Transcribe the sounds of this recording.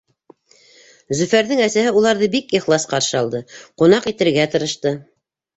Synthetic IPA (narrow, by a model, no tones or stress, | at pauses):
zɵ̆fæɾðɘŋæsæhɘulˠɑɾðɤbikiχlˠɑsqɑɾʃɤɑlˠd̪ɤqunɑqit̪ɘ̆ɾɡæt̪ɤ̆ɾɤ̆ʃt̪ɤ